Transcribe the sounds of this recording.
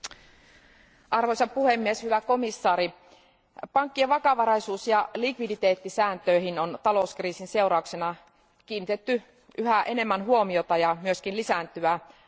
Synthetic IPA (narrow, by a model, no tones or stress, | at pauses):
ʔɑrʋojsɑppuhemːieshyʋæko̞misːɑːɾi | pɑŋkːieʋɑkɑʋɑɾɑjsuːsjɑlikʋidit̪e̞ːt̪ːisæːnt̪øiɦinont̪ɑlo̞uskriːsinse̞urɑuksenɑ | k̟iːnːit̪et̪ːy | ʔyɦæʔe̞ne̞mːænɦuo̞mio̞t̪ɑjɑmyøskinlisænt̪yæ